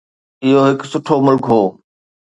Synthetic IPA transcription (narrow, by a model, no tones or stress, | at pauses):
ɪɦoɦɪksʊʈʰomʊlkɦoː